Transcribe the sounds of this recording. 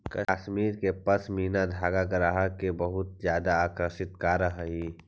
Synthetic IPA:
kɐʃmiːɾkepɐsmiːnad̪ʱaːɡakɐɾaɦakebɐɦʊt̪̚zjaːd̪aaːkɾəʃɪt̪kaːɾəɦɦiː

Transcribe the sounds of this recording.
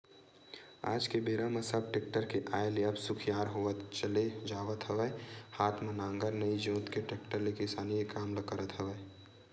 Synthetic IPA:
a̰ːd͡ʒkebeːɾamɐsəb̚ʈeːk̚ʈəɾkeʔaːeleɐbsʊkʰjaːɾɦoːət̪t͡ʃəled͡ʒaːʋət̪ɦəʋəhaːt̪ʰmenãːŋɡəɾnɐid͡ʒõːt̪keʈeːk̚ʈəɾlekɪsaːnijekaːmləkəɾət̪ɦəʋəj

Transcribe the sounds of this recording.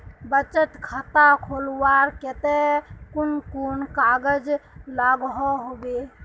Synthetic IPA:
bət͡ʃət̪kʰət̪akʰolwaɾket̪ekunkunkaɡəd͡ʒlaɡɦɔɦobe

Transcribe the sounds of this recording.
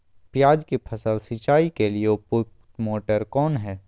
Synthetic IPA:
pɪjaːd͡ʒkipʰɐsəlsit͡ʃaːikeliepʊk | moːʈəɾkɔːnɦɛː

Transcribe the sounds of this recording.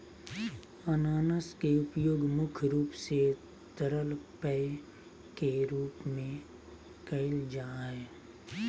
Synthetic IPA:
ənaːnəskeʊpjoːɡmʊkʰɾuːpse | t̪əɾəlpɛ | keɾuːpmẽ | kəɪld͡ʒaːɦɛː

